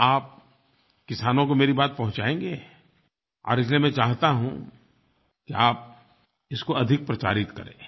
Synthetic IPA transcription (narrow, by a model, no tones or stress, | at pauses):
aːp̚ | kɪsaːnõkomeːɾibaːt̪̚pɐɦʊ̃t͡ʃaːẽːŋɡeː | ɔ̰ːɾɪs̬liemɛ̃t͡ʃaːɦt̪aɦṵ̃ | kiaːp̚ | ɪskoɐd̪ʱɪk̚pɾɐt͡ʃa̰ːɾɪt̪kɐɾḛ̃ː